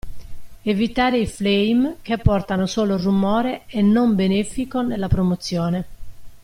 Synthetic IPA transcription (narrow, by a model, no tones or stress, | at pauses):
evit̪aːɾeiflejmk̟epːɔrt̪anosɔːlorumɔːɾeɛnːombenefikonelːapɾomot̪sːjɔːne